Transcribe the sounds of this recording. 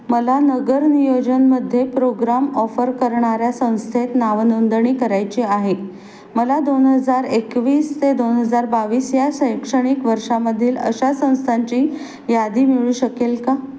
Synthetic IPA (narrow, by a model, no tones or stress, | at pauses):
məlanəɡəɾnijod͡ʑənməd̪ʱːjepɾoɡɾamɔfəɾkəɾɳaɾjasə̃w̃st̪ʰet̪naʋnənd̪ɳ̃ikəɾajt͡ɕiaɦe | məlad̪onɦəd͡zaɾekʋiːst̪ed̪onɦəd͡zaɾbaʋiːsjasəjkʂəɽ̃ikʋəɾʂaməd̪ʱːiːlə̰ɕasə̃w̃st̪ʰaɲt͡ɕiː | jad̪iːmiɭuːɕəkelka